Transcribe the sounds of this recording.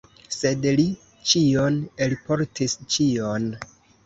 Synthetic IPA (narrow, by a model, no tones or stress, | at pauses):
se̞dli | t͡ʃionelpo̞ɾtʰist͡ʃion